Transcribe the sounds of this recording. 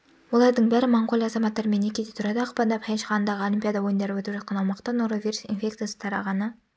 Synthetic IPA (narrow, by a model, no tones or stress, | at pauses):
wo̞lˠɑɾd̪əɴbæɾɪmɑɴqolʲˠɑzɑmɑt̪ːɑɾme̞nːekʲed̪et̪ʰuɾɑd̪ɑːqpɑnd̪ɑpʰhæʃʁɑnənd̪ɑʁəo̞limʲpʲjad̪ɑwojənd̪ɑɾəpwɵt̪əpʒɑt̪̚qɑnɑwmɑqt̪ɑnoɾovʲijɾusḭnfʲe̞kt̪ijasə̥t̪ʰɑɾɑ̰ʁɑnə